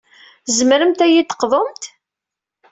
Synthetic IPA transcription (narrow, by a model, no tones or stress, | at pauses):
zəmɾəmt̪æjit̪ːə̥qðˤomt̪